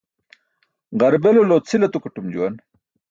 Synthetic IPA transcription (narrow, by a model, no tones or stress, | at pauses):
ʁɐɾbeloloːt͡sʰilɐt̪ukuʈumd͡ʑuwɐn